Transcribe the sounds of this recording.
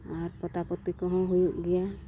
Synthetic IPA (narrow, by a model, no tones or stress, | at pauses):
aɾpɔt̪apɔt̪ːikɔɦɔ̃ɦujuʔɡɛja